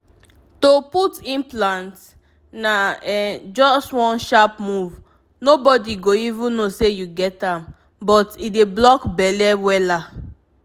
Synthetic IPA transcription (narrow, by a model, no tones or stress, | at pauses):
toputĩnplãnt | naɛd͡ʒɔstwɔ̃nʃapmuv | nobɔdiɡoivũnosejuɡɛtãm | bɔtideblɔkbɛlɛwɛla